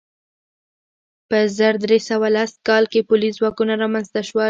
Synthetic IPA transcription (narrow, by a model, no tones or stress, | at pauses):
pəzəɾd̪ɾesawalaskɑlkepʊlizwɑkunaɾɑmanzt̪aʃwa